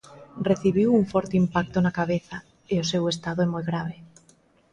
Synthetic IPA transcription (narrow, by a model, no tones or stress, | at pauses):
reθiβ̞iwuŋfɔɾt̪eimpak̚t̪onakaβ̞eθa | eosewest̪aðoɛmojɣɾaβe